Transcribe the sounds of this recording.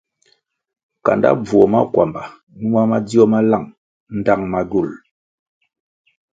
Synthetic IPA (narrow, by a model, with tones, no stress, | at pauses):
ka̰˨nda̰˦b͡vwɔ˨ma˦kwa˨mba˨ | nu˦a˦ma˦d͡zi˦ɔ˦ma˦la˦˨ŋ | n̩˦da˦ŋma˨ɡu˦˨l